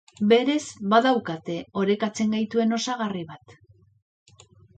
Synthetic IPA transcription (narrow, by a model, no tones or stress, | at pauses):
be̞ɾe̞zbaðawkat̪e̞o̞ɾe̞kat͡se̞ŋɡajt̪ue̞no̞saɣariβat̪